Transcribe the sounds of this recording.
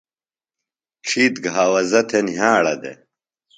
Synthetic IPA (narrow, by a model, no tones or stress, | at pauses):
ʈ͡ʂʰiːt̪ɡɦaːwɐzɐt̪ʰenɦaːɽɐd̪ḛ